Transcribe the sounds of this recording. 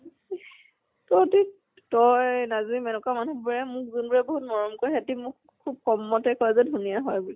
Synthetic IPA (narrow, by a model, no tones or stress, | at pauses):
tɔti | tɔjnazimɛnɔkamanubɔɹɛmʊk̚zunbuɹɛboɦut̚mɔɹɔmkɔɹiɦetimʊk | kʰːub̚xɔmːɔtɛkʰɔɹɛzɔdʱunijaɦɔjbuli